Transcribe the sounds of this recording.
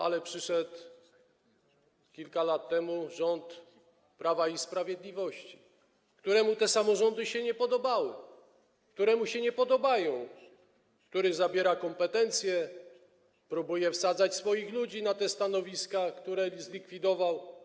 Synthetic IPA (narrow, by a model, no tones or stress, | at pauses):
a̰lɛpʂɘʂɛt̪ | kʲilkalat̪ːɛmuʐɔnt̪ | pɾavaispɾavʲjɛd̪lʲivɔɕt͡ɕi̥ | kt̪uɾɛmut̪ɛsamɔʐɔnd̪ɘɕɛɲɛpɔd̪ɔbawɘ | kt̪uɾɛmuɕɛɲɛpɔd̪ɔbajɔ̃w̃ | kt̪uɾɘzabʲjɛɾakɔmpɛt̪ɛnt̪sʲjɛ | pɾubujɛfsad̪zat͡ɕsfɔjixlud͡ʑinat̪ɛst̪anɔvʲiskakt̪uɾɛzlʲikfʲid̪ɔvaw